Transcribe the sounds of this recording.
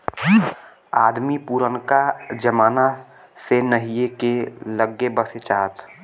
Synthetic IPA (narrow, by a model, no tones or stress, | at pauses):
aːd̪mipuːɾənkad͡ʒəmaːna | senəɦijekeləɡːebəset͡ʃaːt̪